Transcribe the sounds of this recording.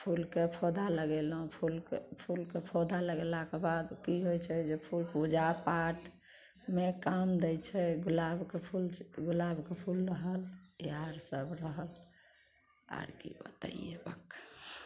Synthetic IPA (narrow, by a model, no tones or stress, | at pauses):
pʰulkepʰod̪aləɡelɦũpʰulkepʰulkepʰod̪aləɡelakebad̪kiɦojt͡ʃʰɛd͡ʒepʰulpud͡ʒapaʈ | mekamd̪ɛjt͡ʃʰɛɡulabkepʰulɡulabkepʰulɾəɦəleaɾsəbɾəɦəl | a̰ɾkḭbə̰t̪ə̰ḭebə̰k